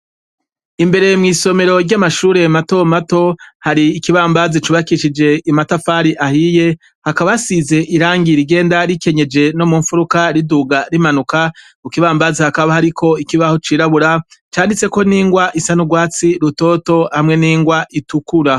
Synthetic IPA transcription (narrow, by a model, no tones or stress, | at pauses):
imbe̞ɾe̞mŋiːso̞me̞ɾo̞ɾɟamaʃuːɾe̞mato̞mato̞haɾiːkiβaːmbazit͡ʃuβakiʃid͡ʒe̞imatafaːɾiʔahije̞ | hakaβasize̞ʔiɾaːŋɡiɾiɡe̞ːndaɾike̞ɲe̞d͡ʒe̞no̞muɱfuɾukaɾiduɡaɾimanukamukiβaːmbazihakaβahaɾikʰo̞ikiβaho̞t͡ʃiːɾaβuɾat͡ʃaːndit͡se̞ko̞niːŋɡwaʔisanuɡwaːt͡siɾuto̞ːto̞hamŋe̞niːŋɡwaʔitukuɾa